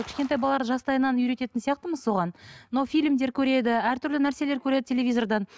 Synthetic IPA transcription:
kʲʰɪ̥ʃkʲe̞nt̪ɑjbɑlˠːɑɾʒɑst̪ɑjənɑnʏjɾe̞t̪e̞t̪ɪnsijɑqt̪əməzso̞ʁɑnnowfʲijlʲmd̪e̞ɾkʲʰɵɾe̞d̪ɪæɾt̪ʰʏɾlɪnæɾse̞le̞ɾkʲʰɵɾe̞d̪ɪt̪ʲʰe̞lʲe̞vʲijzo̞ɾd̪ɑn

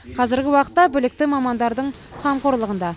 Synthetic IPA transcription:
qʰɑzɪɾɡʲɪwɑqə̥t̪ːɑbɪlɪk̚t̪ɪmɑmɑnd̪ɑɾd̪əɴ | qʰɑmqoɾlˠəʁənd̪ɑ

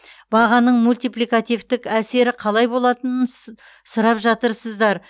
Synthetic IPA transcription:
bɑʁɑnəɴmulʲt̪ijplikat̪ijvt̪ɪkæse̞ɾɪqʰɑlˠɑjbo̞lˠɑt̪ənən | sʊɾɑpʒɑt̪əɾsəzd̪ɑɾ

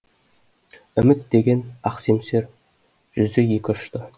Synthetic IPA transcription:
ʏmɪt̪d̪e̞ɡʲe̞nɑqse̞mse̞ɾ | ʒ̥ʏzd̪eje̞kʲɪʏʃt̪ə

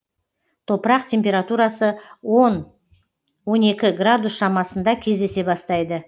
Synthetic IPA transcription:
t̪ʰo̞pəɾɑqt̪ʲʰe̞mpʲe̞ɾat̪uɾɑsəwon | wo̞ne̞kʲɪɡrad̪usʃɑmɑsənd̪ɑkʲʰe̞zd̪e̞se̞bɑst̪ɑjd̪ə

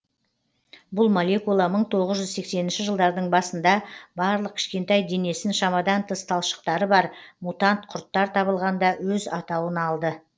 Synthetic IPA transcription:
bʊlˠmolʲe̞kulˠɑməɴt̪ʰo̞ʁəzʒʏzse̞kse̞nɪnʃɪʒəlˠd̪ɑɾd̪əɴbɑsənd̪ɑbɑɾlˠəq̚kʲʰɪ̥ʃkʲe̞nt̪ɑjd̪e̞ne̞sɪnʃɑmɑd̪ɑnt̪ʰəst̪ʰɑlˠʃə̥qt̪ɑɾəbɑɾmut̪ɑnt̪qʰʊɾt̪ːɑɾt̪ʰɑβəlˠʁɑnd̪ɑwɵzɑt̪ɑwənɑlˠd̪ə

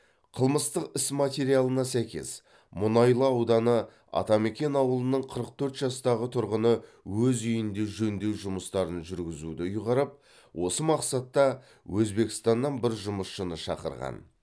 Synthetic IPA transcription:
qʰəlˠməst̪əqɪsmat̪ʲe̞ɾijalˠənɑsæjkʲe̞̰s | mʊnɑjlˠəɑwd̪ɑnə | ɑ̰t̪ɑme̞kʲe̞nɑwəlˠənəɴqʰəɾəq̚t̪ʰɵɾt̪ʒɑst̪ɑʁət̪ʰʊɾʁənəwɵzʏjɪnd̪e̞ʒɵnd̪e̞wʒʊməst̪ɑɾənʒʏɾɡʲɪzud̪ɪʊjʁɑɾəp̚ | wʔo̞səmɑqsɑt̪ːɑ | wʔɵzbe̞kʲɪ̥st̪ɑnːɑnbɪɾʒʊməsʃənəʃɑ̰qə̰ɾʁɑ̰n

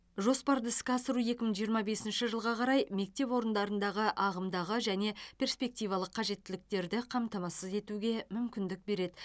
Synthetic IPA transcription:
ʒo̞spɑɾd̪əskʲɑsəɾuje̞kʲɪməɴʒijəɾmɑbe̞sɪnʃɪʒəlˠʁɑqʰɑɾɑjme̞k̚t̪e̞pwo̞ɾənd̪ɑɾənd̪ɑʁəʔɑʁəmd̪ɑʁəʒæne̞pʰʲe̞rspe̞k̚t̪ijvɑlˠəqʰːɑʒe̞t̪ːɪlɪk̚t̪e̞ɾd̪ɪqʰɑmt̪ɑmɑsəze̞t̪uɡʲe̞mʏmkʲɪnd̪ɪk̚be̞ɾe̞d̪ɪ

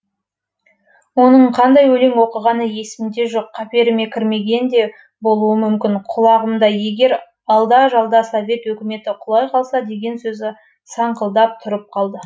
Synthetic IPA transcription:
wo̞nəɴqʰɑnd̪ɑjwɵle̞ŋwo̞qəʁɑnəje̞sɪmd̪e̞ʒo̞qʰːɑpe̞ɾɪme̞kʲʰɪɾme̞ɡʲe̞nd̪e̞ | bo̞lˠuəmʏmkʲɪnqʰʊlˠɑʁəmd̪ɑje̞ɡʲe̞ɾ | ɑlˠd̪ɑʒɑlˠd̪ɑsovʲe̞t̪wɵkʲɪme̞t̪ɪqʰʊlˠɑjqʰɑlˠsɑd̪e̞ɡʲe̞nsɵzɪ | sɑɴqəlˠd̪ɑp̚t̪ʰʊɾəp̚qʰɑlˠd̪ə

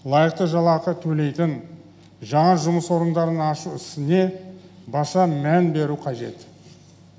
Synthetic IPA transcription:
lˠɑjəq̚t̪əʒɑlˠɑqət̪ʰɵle̞jt̪ɪn | ʒɑɴɑʒʊməswo̞ɾənd̪ɑɾənɑʃuɪst̪ɪne̞ | bɑsɑmænbe̞ɾuqʰɑʒe̞̰t̪

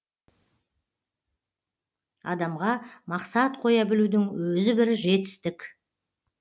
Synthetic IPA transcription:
ɑ̰d̪ɑmʁɑmɑqsɑt̪qʰo̞jɑbɪlud̪ɪŋwɵzɪbɪɾʒe̞t̪ɪ̥st̪ɪkʲ

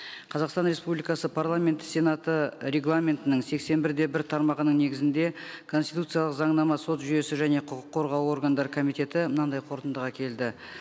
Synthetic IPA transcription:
qʰɑzɑqst̪ɑnɾe̞spublijkɑsəpʰaɾlˠamʲe̞nt̪sʲe̞nat̪əɾe̞ɡlˠamʲe̞nt̪ɪnəŋse̞kse̞nbɪɾd̪e̞bɪɾt̪ʰɑɾmɑʁənəɴne̞ɡʲɪzɪnd̪e̞kʰo̞nst̪it̪ut̪sɨjaɑlˠəqzɑɴnɑmɑso̞t̪ʒʏje̞sɪʒæne̞qʰʊqəqʰːo̞ɾʁɑwo̞ɾɡand̪ɑɾəkʰo̞mijt̪e̞t̪ɪmənɑd̪ɑjqʰo̞ɾt̪ənd̪əʁɑkʲʰe̞ld̪ɪ

